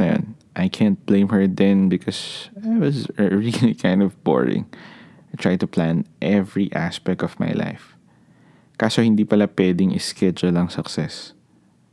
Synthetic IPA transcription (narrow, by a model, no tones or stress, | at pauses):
ɐjã̰n | ʔajkʰæ̃nt̪̚b̥lẽɪ̃mhəɹd̪ɛ̃nbɪkʰɔsaɪwʌsəɹilikʰãjnd̪ɔvbɔ̰ɹɪ̰̃ŋ | ajt̪ɹajd̪̚t̪ʊplãnʔɛvɹiʔa̰spɛk̚t̪ɔvma̰jla̰jf | kasohɪnd̪iːpɐlapwɛd̪ɪŋʔɪskʰɛd͡ʒʊlɐŋsɐksɛs